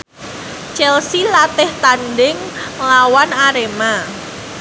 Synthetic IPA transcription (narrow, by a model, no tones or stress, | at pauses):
t͡ʃɛlsilat̪ɪht̪andɪŋ | lawanaɾema